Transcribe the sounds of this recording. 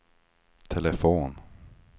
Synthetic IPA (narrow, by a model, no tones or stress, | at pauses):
t̪ʰɛlɛfoːn